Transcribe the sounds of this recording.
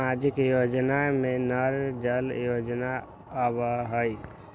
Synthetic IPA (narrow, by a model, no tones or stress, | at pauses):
ad͡ʒəkjod͡ʒnamenəɾd͡ʒəljod͡ʒnaː | bəɦəj